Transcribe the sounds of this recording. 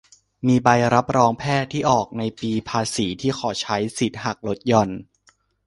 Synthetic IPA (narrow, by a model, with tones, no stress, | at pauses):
miː˧ba˧jɾa˦˥p̚ɾɔː˧ŋpʰɛː˥˩t̪ʰːiː˥˩ʔɔː˨˩k̚na˧jpiː˧pʰaː˧siː˩˦t̪ʰiː˥˩xʰɔː˩˦t͡ɕʰa˦˥jsi˨˩˦t̪̚ha˨˩k̚lo˦˥t̪̚jɔ˧n